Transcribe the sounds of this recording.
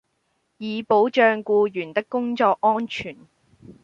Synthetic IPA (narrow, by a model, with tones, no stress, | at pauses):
jiː˨˧po˨˥wt͡ʃœː˧ŋkuː˧jyː˨˩nt̪ɪ˥kːʊ˥ŋt͡ʃɔː˧k̚ːɔː˥nt͡ʃʰyː˨˩n